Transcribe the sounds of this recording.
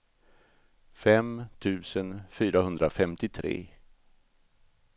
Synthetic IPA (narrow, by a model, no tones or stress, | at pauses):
fɛmt̪ʰʉ̟ːsənfyːɾahɵnd̪ɾafɛmt̪ɪt̪ʰɾḛː